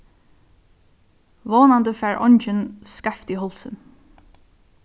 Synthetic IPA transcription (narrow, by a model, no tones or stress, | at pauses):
voːnand̪əfɛːɹʔɔ̰ɲt͡ʃɪnskaft̪iɦɔlsɪ̰n